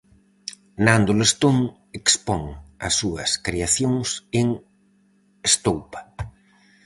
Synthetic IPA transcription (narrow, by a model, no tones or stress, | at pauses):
nand̪olest̪oŋ | ekspɔŋɐ̰sːuɐskɾeaθjoŋseŋ | est̪owpḁ